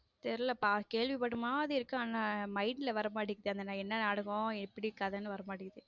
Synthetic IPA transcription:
t̪ɛɾɯlɐpaːkeːɭʋipɐɽɯmaːɐðɯɪɾɯkːõaːnaːmɐɪnɪlɐʋɐɾɐmaːɽɪkːɐðɯɐnd̪ɐnãːɛnːɐnɐɽɐɣõɛpːɐɽiɾɯkːaːðɐnːɯʋɐɾɐmaːɽɪkɐðɯ

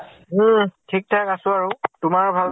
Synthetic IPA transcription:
tʰik̚tʰakasʊ̃aɹʊtʊmaɹbʱal

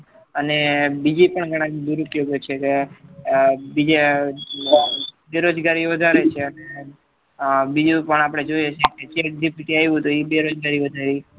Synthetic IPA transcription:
ənebid͡ʒipəɳɡʱəɽ̃ãkd̪uɾupjoɡjot͡ʃʰeke | bid͡ʒe | beɾod͡ʒɡaɾiʋəd̪ʱaɾet͡ʃʰeəne | bid͡ʒũpəɳ̃apɽ̃ed͡ʒojet͡ʃʰeket͡ʃeʈ̚d̪ipiʈ̪iajʋũt̪oibeɾod͡ʒɡaɾiʋəd̪ʱaɾi

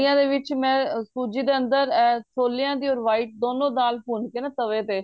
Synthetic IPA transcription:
jãːd̪eːʋɪt͡ʃmɛ̃ːsuːd͡ʒiːd̪eːənd̪əɾɛːsʰoːljãːd̪iːɔːɾʋaːɪʈ̚d̪oːnõːd̪aːlpuːnkeːnãt̪əʋeːt̪eː

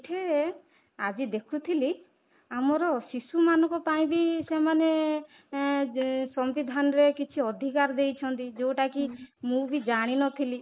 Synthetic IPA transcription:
ʈʰe | ad͡ʒid̪ekʰut̪ʰili | amɔɾɔsisumanɔ̃ŋkɔpaĩbisemane | sɔmbid̪ʱanɔɾekit͡ʃʰiɔd̪ʱikaɾd̪ejt͡ʃʰɔnt̪id͡ʒowʈakimũbid͡ʒaɽ̃inɔt̪ʰili

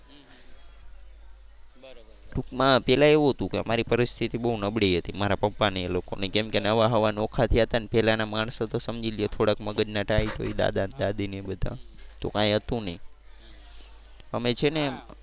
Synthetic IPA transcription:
ʈukmãpɛlaeʋuɦət̪ũkeə̰maɾipəɾist̪ʰit̪ibəɦunəbɽeiɦət̪imaɾapəpːaneloko̰nekɛmkenəʋaɦəʋanokʰat̪ʰiət̪anepɛlanamaɳsət̪osəmd͡ʒilijet̪ʰoɽakməɡəd͡ʒnaʈaiʈʰo̰id̪a̰d̪and̪ad̪inebəd̪ʱa̰t̪o̰kãjɦət̪ũnəi | əmet͡ʃʰene

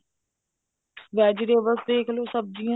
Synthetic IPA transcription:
ʋɛːd͡ʒɾeːʋəsd̪eːkʰloːsəb̚d͡ʒijãː

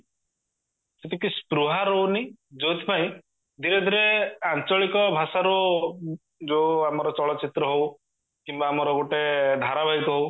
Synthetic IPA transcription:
set̪ikispɾuɦaɾɦowni | d͡ʒot̪i̥paĩ | d̪ʱiɾed̪ʱiɾeant͡ʃɔɭikɔbʱasaɾu | d͡ʒoamɔɾɔt͡ʃɔɭɔt͡ʃʰit̪ɾɔɦow | kimbaːmɔɾɔɡoʈed̪ʱaɾabʱaɦikɔɦow

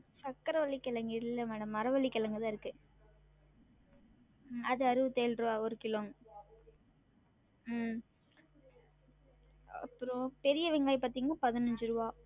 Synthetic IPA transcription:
sɐkːɐɾɐʋɐɭːɪkːɐɭɐŋɡɪɽɪlːɐmɛːɽɐmːɐɾɐʋɐɭːɪkːɐlɐŋɡɯðãːɪɾɯkːɯ | ɐðɯɐɾɯʋɯt̪eːlɾɯʋaːɔɾɯkɪloːŋ | ɐ̰pːɯɾõpɛɾɪjɐʋɛŋɡaːjpaːɾt̪iːŋɡɐpɐðɪnɐɲd͡ʒɯɾɯʋaː

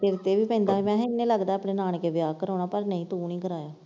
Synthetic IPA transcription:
eɾt̪eːʋiːpɛ̃ːnd̪aːmɛ̃ːɪnẽːləɡd̪aːəpɳeːnaːɳ̃keːʋɪjaːkəɾoːɽ̃aːpəɾnəĩːt̪uːnĩːkəɾaːjaː

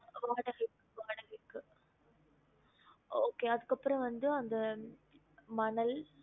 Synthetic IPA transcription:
ʋaːɽɐɣɐɪkːɯʋaːɽɐɣɐɪkːɯ | oːkeːɐðɯkːɐpːɯɾɐ̃ʋɐnd̪ɯɐnd̪ɐ | mɐɳɐl

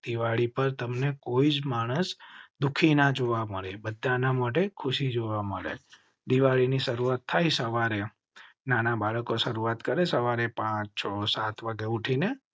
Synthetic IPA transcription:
d̪̥iʋaɭipəɾt̪əmnekoid͡ʒmaɽ̃əsd̪ukʰinad͡ʒoʋaməɭebəd̪ʱːanamaʈ̬ekʰʊʃid͡ʒoʋaməɭḛ | d̪iʋaɭiniʃəɾuat̪ʰːajsəʋaɾe | nanabaɭəkoʃəɾuat̪kəɾesəʋaɾepãt͡ʃt͡ʃʰɔsat̪ʰʋaɡeuʈʰine

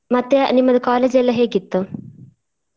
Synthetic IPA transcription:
mɐt̪ːjanimːɐðɨkaːlɐd͡ʑelːɐɦeːkːit̪ːɨ

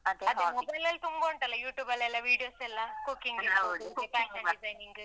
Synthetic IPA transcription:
ɐd̪eɐðɨmobɐjlɣɐɭt̪umboːɳʈɐlːɐjuːʈːjuːbɐlɐlːɐʋiːɽijoːselːaːkukːiŋɡiaepaːkɐisɐjniŋɡɨ

